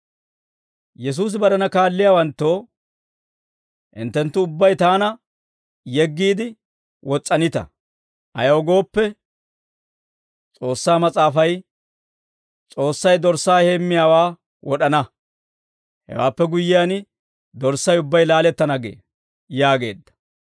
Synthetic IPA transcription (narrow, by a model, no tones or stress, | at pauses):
jɛs̬uːs̬ɪbɐɾɐnɐkaːlːɪjaːwɐnt̪ːoː | ʔɪ̰nt̪ːɛnt̪ːʊʊbːɐjt̪aːnɐ | jɛɡːiːd̪ɪ | wɔt͡sʼːɐnɪt̪ɐ̰ | ʔɐ̰jɐɔɡo̞ːpːɛ | t͡sʼo̞ːsːaːmɐt͡sʼaːfɐj | t͡sʼo̞ːsːɐjd̪ɔɾsːaːhemːɪjaːwaː | wɔɗɐnɐ | hɛ̰wa̰ːpːɛɡʊjːɪjaːnɪ | d̪ɔɾsɐjʊbːɐjlaːlɛt̪ːɐnɐɡḛː | jaːɡe̞̰ːd̪ːɐ̥